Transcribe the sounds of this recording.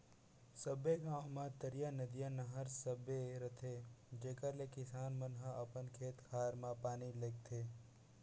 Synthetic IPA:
səbekãomãt̪əɾijanəd̪ijanəɦəɾsəbeɾət̪ʰed͡ʒeːkəɾlekɪsaːnmənɦəɐpənkʰeːt̪kʰaːɾmãpaːniləɡ̚t̪ʰeː

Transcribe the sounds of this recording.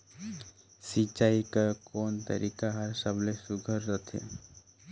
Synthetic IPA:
sit͡ʃaikakoːnt̪ə̰ɾʔikaɦəɾsəblesuɡʱəɾːʌt̪ʰḛ

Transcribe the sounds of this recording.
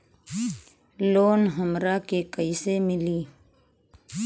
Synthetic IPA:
loːnɦəmɾaːkekəisemɪliː

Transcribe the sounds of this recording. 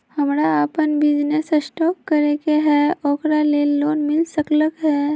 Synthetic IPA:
hɐmɾaəpənbɪd͡ʒnesəsʈɔːkːəɾekeɦɛːɔːkɾaleoːnmɪlsəkləkɦɛː

